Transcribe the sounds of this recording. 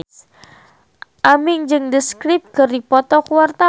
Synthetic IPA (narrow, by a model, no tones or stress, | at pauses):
ʔamɪŋd͡ʒɨŋdəskɾip̚kərdipɔt̪ɔkuart̪a